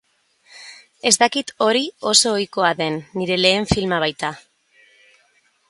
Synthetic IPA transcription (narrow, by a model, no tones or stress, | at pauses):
e̞zt̪akit̪o̞ɾio̞so̞ːjko̞aðe̞nːiɾe̞le̞ːɱfilmaβ̞ajt̪a